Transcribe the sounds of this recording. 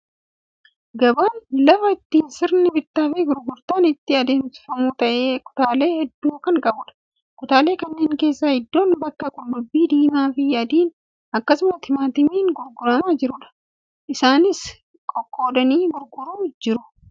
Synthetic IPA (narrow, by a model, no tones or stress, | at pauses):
ɡɐbaːnlɐfɐɪt̪ːiːnsɪɾnɪbɪt̪ːaːfɪɡʊɾɡʊɾt̪aːnɪt̪ːɪɐd̪e̞ːmsɪ̥fɐmuːt̪ɐʔeːkʼʊ̥t̪aːle̞ːhɛd̪ːuːkɐŋkʼɐbʊᶑɐ̥ | kʼʊt̪aːle̞ːkɐnːe̞ːŋke̞ːsːahɪd̪ːo̞ːnbɐkːɐkʼʊlːʊbːiːd̪iːmaːfɪjaːd̪iːn | ɐkːɐsʊmɐt̪ɪmaːt̪ɪmiːŋɡʊɾɡʊɾɐmaːd͡ʒɪɾʊᶑɐ̥ | ʔɪsaːnɪs | kʼɔkʼːo̞ːd̪ɐniːɡʊɾɡʊɾuːd͡ʒɪɾʊ